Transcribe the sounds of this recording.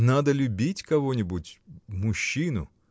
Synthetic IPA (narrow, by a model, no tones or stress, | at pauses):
nad̪əlʲʊbʲitʲkɐvonʲɪbʊtʲmʊɕːinʊ̰